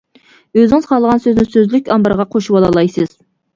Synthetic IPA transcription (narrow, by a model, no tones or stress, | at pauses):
øzɪŋɪzχɑlˠəʁɑnsøznɪsøzlykʲɑmbɑɾʁɑqʰoʃuwɑlˠɑlˠɑjsɨz̥